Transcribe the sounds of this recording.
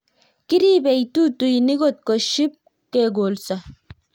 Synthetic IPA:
kiɾibejt̪ut̪ujniɡot̪̚koʃip̚ | keɡolsa

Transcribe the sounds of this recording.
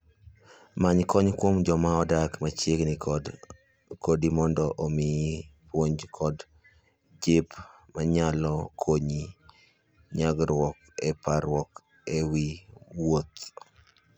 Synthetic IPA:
maɲkɔɲkwomd͡ʒɔmaɔdakmat͡ʃeɡnɪkd | kodimɔndɔʔomɪpwoɲd͡ʒkʰɔd | d͡ʒɪp | maɲalɔkʰoɲi | ɲaɡɾwɔk | ɛpaɾwɔk | ewiwot̪

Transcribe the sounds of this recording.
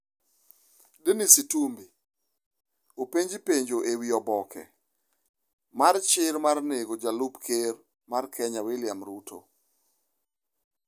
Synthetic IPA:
denisitumbi | opeɲd͡ʒipeɲd͡ʒoʔewiɔbɔkʰɛ̰ | mart͡ʃɪɾmarneɡod͡ʒalupkʰer | markʰɛɲawelɪamɾutʰo̰

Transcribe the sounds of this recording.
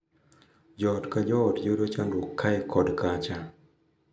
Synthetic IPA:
d͡ʒɔtkad͡ʒɔtjoɾot͡ʃandokʰːaɛkʰɔdkat͡ʃa

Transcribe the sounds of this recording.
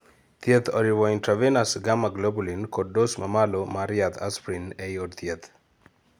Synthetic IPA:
t̪jet̪ʰɔɾiwɔintɾavenasɡamaɡlobulinkod̚dosmamalomaɾɪat̪ʰa̰spɾinɛjodt̪jet̪

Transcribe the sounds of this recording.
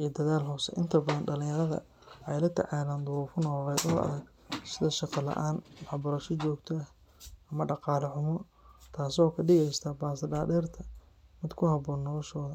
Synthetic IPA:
ʔijd̪ɐðaːlɦɔːsɛ̰ʔɪ̰nt̪ʰɐbɐðɐnɖɐlɪ̃ŋjɐɾɐðɐ̰ | ʔɛjlɐt̪ʰɛ̰ʕaːlaːnd̪ʊwɔːfʊnɔːʁɛjd̪ɔːɐ̰ðɛɡ | sɪðɐʃɑqɑlɐ̰ʔaːnwɑħbɐɾɐʃɔt͡ʃɔːɡt̪ʰɔ | ɐmɐɖɑqɑːlɐħʊmɔ | t̪ʰaːsɔːkʰɐɖɪɣɛjst̪ʰɐbaːsɐɖaːdɛːrt̪ʰɐ | mɪd̪kʰʊhɐbɔːnːɔlɔʃɔːðɐ

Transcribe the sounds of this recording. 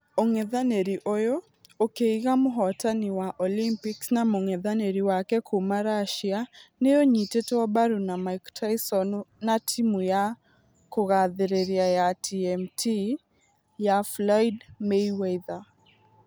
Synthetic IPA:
oŋeðaneɾiʔojo | okeiɣamoɦɔtaniwaʔɔlimpiksnamoŋeðaneɾiwakɛkʰumaɾaʃianejoɲiteteɔbaɾunamaiktʰajsɔnonatʰimuja | koɣaðeɾeɾiajatʰiɛmtʰi | jaflɔjdmeweða

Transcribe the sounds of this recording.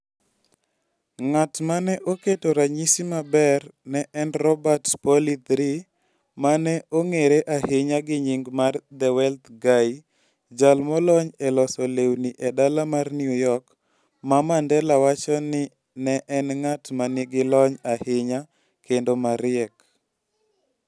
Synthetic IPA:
ŋatmanɛʔoketoɾaɲisimabɛrnɛʔɛnrɔbatpɔlid̪ɾi | manɛoŋeɾeʔahɪɲaɡɪɲiŋɡmard̪ɛwɛlt̪ɡaj | d͡ʒalmɔlɔɲelɔsɔlewniʔɛdalamarnjujɔk | mamandɛlawat͡ʃɔnɪ | nɛʔɛnŋatmanɪɡɪlɔɲahɪɲa | kʰendomaɾɪɛk

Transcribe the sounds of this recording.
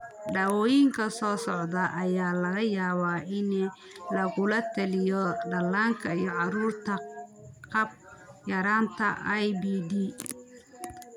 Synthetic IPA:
ɖɐːwɔːjɪŋkʰɐsɔːsɔʕd̪ɐʔɐjaːlɐɣɐjaːβaʔɪn | lɐɣʊlɐt̪ʰɐlɪjɔɖɐlːaːŋkʰɐijɔʕɑɾuːrt̪ʰɐqɑb̚ | jɐɾaːnt̪ʰɐʔɐjbiːd̪iː

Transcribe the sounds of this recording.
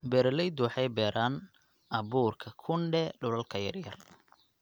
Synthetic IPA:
bɛːɾɐlɛjd̪ʊwɑħɑjbɛːɾʔaːn | ʔɐbuːrkʰɐkʰʊɳɖɛɖʊlɐlkʰɐjɐ̰rjɐ̰r

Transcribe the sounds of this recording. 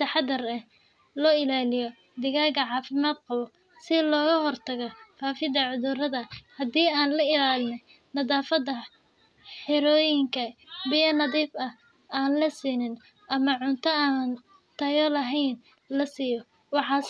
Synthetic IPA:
ɐħɑd̪ɐrɛh | lɔːɪlaːlɪjɔ | d̪ɪɣaːɣɐʕɑːfɪmaːd̪̚qɑβɔ | sɪlɔːɣɐɦɔrt̪ʰɐɣɔfaːfɪðɐʕʊðʊrɐðɐhɐd̪iːaːnlɐɪlaːlɪnɛ | nɐðaːfɐd̪ɐ | ħɪɾɔːjɪŋkʰɐbɪjɐnɐðiːbɐ | aːnlɐsiːnɪn | ʔɐmɐʕʊnt̪ʰɐaːn | t̪ʰɐjɔlɐɦɛjn | lɐsiːjɔ | wɑħɑː

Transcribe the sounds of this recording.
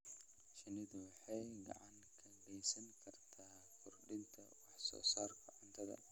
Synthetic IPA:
ʃɪnɪðʊwɑħɑjɡɐ̰ʕɑŋkʰɐɡɛjsɐŋkʰɐrt̪ʰaː | kʰʊrɖɪnt̪ʰɐwɑħsɔ̰ːsaːrkʰɐʕʊnt̪ʰɐðɐ̰

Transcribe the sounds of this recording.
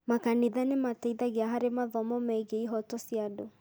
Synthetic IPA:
makaniðanemataiðaɣeaɦaɾemaðɔmɔmaiɡeiɦɔtɔsjado

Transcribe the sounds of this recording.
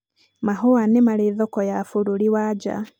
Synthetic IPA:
maɦowanemaliðɔkɔjafuɾuliwaːd͡ʒa̰

